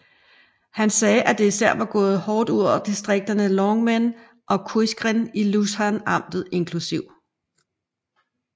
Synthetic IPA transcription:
hænsɛːʔæd̥e̝isæɐ̰ʋɑ̈ɡ̥ɔ̽ːð̞̩ˠhɒːd̥uð̰ˠɒʊ̰ɐd̥isd̥ʁeɡ̥̚d̥ɐnəlɒŋmen | ʔɒ̽kʰuɕɡ̥ʁinilusɑnɑ̈m̰d̥ð̩ˠe̝nkʰlusiʊ̰

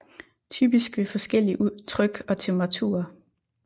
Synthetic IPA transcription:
t͡sʰy̰ːb̥isɡ̥ʋe̝fɒ̽sɡ̥el̰iʔut͡sʰʁœɡ̥ɒ̽t͡sʰemb̥ʁɑ̈t͡sʰṵːɐ

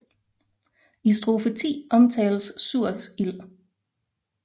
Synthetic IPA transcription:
isd̥ʁo̝fet͡sʰḭːʔɒ̽mt͡sʰɛːləsːuɐ̰sil

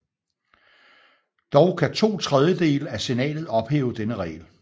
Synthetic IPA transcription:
d̥ɒʊkʰæt͡sʰo̝̰ːt͡sʰʁað̞ˠjəd̥e̝̰ːləæse̝nɛ̰ːlð̩ˠɒ̽b̥hḛːʊəd̥enəʁɛ̰ːl

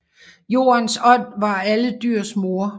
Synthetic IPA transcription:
jo̝̰ːɐnsɒ̽n̰ʋɑ̈æləd̥yɐ̰smo̝ɐ

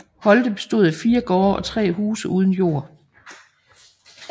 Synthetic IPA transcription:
hɒ̽ld̥əb̥e̝sd̥o̝ð̩ˠæfiːɐɡ̥ɒːɒ̽t͡sʰʁɛ̰ːhuːsəʔuːð̞ˠən̩jo̝̰ːɐ̰

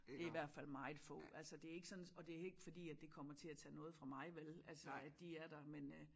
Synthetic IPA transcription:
d̥e̝iʋæɐ̰d̥fæl̰mɑ̈ɪð̩ˠfɔ̰ːælsəd̥e̝æɐeɡ̥sɒ̽nɒ̽d̥e̝æɐe̝ɡ̥əfɒ̽d̥ḭːæd̥e̝kʰɒ̽m̰ɐt͡sʰe̝æt͡sʰɛ̰ːnɔ̽ːð̩ˠfʁɑ̈mɑ̈ɪʋelælsəæ̥d̥iæɐɾ̥ɑ̈men

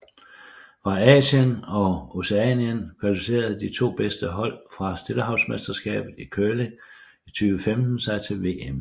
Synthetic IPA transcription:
fɑ̈ɛːɕənɒ̽o̝seɛnjənkʰʁɛd̥use̝̰ːɐð̩ˠd̥it͡sʰo̝̰ːb̥esd̥əɦɒ̽l̰fʁɑ̈sd̥e̝ləɦɑ̈ʊsmesd̥ɐsɡ̥ɛ̰ːb̥ð̩ˠikʰølə | it͡sʰyːʋəfemd̥n̩sɑ̈ɪt͡sʰe̝lʋe̝̰em

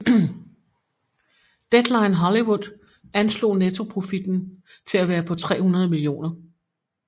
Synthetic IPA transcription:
d̥ed̥lɑ̈ɪnɦɒliwud̥ˠ | ænslo̝̰ːnet͡sʰo̝pʰʁo̝fid̥n̩ | t͡sʰe̝læʋæːɐpʰɒ̽t͡sʰʁɛ̰ːhunɐð̞̩ˠəmilio̝̰ːnɐ

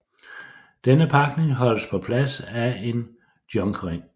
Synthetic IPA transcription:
d̥enəpʰɑ̈ɡ̥ne̝ŋɦɒ̽l̰əspʰɒ̽pʰlæsæe̝n | d̥jɒ̽ŋɡ̥ʁeŋ̰

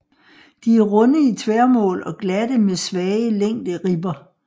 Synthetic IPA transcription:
d̥iæɐʁɔ̽nəit͡sʰʋɛɐmɔ̰̽ːlɒ̽ɡ̥lædəmesʋɛːəleŋ̰d̥əʁib̥ɐ

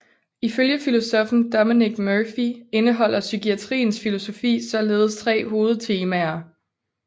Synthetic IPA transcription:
iføljəfilo̝sɒfn̩d̥ɒminiɡ̥møːfie̝nəɦɒ̽l̰ʔɐsykiæt͡sʰʁḭːn̩sfilo̝so̝fḭːsɒ̽le̝ːð̞ˠst͡sʰʁɛ̰ːho̝ːð̞̩ˠt͡sʰe̝ːmæɐ

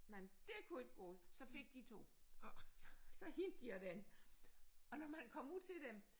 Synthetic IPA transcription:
nɑɪmd̥e̝kʰue̝ɡ̥̚ɡ̥ɔ̰ːsɒ̽fe̝ɡ̥̚d̥it͡sʰo̝̰ː | sɒ̽hind̥d̥iæd̥æn | ɒ̽nɒmænkʰɒ̽muð̰ˠt͡sʰe̝ld̥em

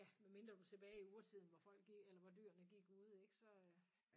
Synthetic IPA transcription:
jæmenme̝nd̥ʁɐd̥ut͡sʰe̝b̥ɛːɪiuːɐt͡sʰið̞̰ˠn̩ʋɒfɒ̽l̰ɡ̥i̥elɐʋɑd̥yːɐnəɡ̥iɡ̥uð̞ˠe̝ɡ̥sɒ̽

